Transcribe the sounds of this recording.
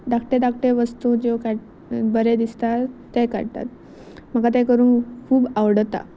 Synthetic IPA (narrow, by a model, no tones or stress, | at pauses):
d̪akʈed̪akʈeʋəst̪ũd͡ʑekaɽ | bəɾed̪ist̪aː | ɛka̰ɽt̪a̰t̪̚ | m̤əkat̪̬ɛ̃kəɾuːnkʰuːbawɽt̪a̰